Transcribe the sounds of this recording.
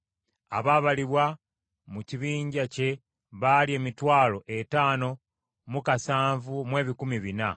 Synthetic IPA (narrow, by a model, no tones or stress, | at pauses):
a̰βaβaliβwa | muciβiːɲɟace̞ | βalie̞ːmitwaːlo̞ʔetaːno̞ | mukasaːɱvumwe̞ːβikumiβina